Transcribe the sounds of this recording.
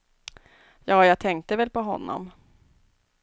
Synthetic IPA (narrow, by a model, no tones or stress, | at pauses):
jɑːjɑːt̪ʰɛŋk̚t̪əvɛlpʰɔɦɔ̰nːɔ̰m